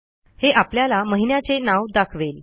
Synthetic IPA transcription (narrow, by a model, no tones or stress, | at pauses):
heʔapljalaməɦinjat͡senawd̪akʰʋel